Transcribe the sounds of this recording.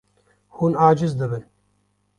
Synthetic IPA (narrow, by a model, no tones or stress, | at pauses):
huːnaːd͡ʒɨzd̪ɨbɨn